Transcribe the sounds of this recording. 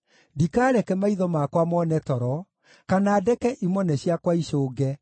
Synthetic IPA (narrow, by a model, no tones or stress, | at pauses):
dikaːɾɛkɛmaiðɔmakwamɔnɛtɔɾɔ | kanaːdɛkɛʔimɔnɛɕjakwaiʃoːɡɛ